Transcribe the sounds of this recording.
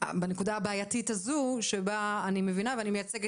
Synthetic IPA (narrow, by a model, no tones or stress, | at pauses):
benekudaabaːjatitazuʃebaːnime̞vinaveanimejat͡seɡ